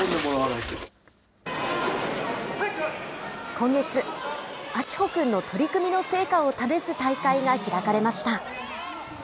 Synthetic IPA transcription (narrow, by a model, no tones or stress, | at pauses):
nd̪emooanase | kõ̞ŋɡe̞t͡sɨ | akʲi̥ho̞kɯ̟̃nːo̞t̪ʰo̞ɾʲikɯ̟mʲino̞se̞ːkao̞t̪abe̞sɨt̪aikaiŋaçʲiɾakaɾe̞maɕi̥t̪a